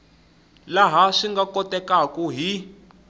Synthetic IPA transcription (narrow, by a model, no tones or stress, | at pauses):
laɦaʂiŋɡakɔtʼɛkakʼuɦi